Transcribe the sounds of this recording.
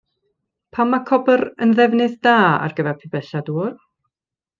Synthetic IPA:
pʰamːakʰɔbəɾənðɛvnɨðd̥aːa̰rɡəvɛrpʰɪbɛɬaduːr

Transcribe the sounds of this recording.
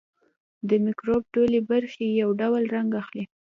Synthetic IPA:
d̪əmɪkɾobɖolebaɾxejawɖawlɾaŋɡaxli

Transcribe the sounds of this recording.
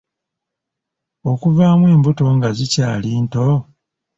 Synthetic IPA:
okuvaːmwe̞ːmbuto̞ŋɡazicaːliːnto

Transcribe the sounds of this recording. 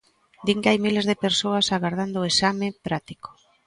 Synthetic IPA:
d̪iŋkeajmilezðepeɾsoasaɣaɾð̞and̪oːesamepɾat̪i̥ko̥

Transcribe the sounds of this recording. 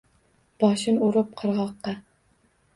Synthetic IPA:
b̥ɒʃɪnʊɾɪp̚qʰɨɾʁɑqːɑ

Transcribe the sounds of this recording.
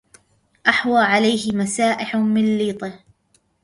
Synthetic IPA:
ʔaħwaːʕalajhɪmasaːʔɪħmɪnliːt̪ˤɪh

